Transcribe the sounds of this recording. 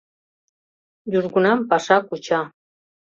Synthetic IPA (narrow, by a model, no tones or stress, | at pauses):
juʒɡunampaʃakut͡ʃa